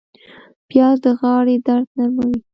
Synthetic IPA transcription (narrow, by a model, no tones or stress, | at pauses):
pjɑd̪əɣɑɽed̪aɾd̪naɾmawi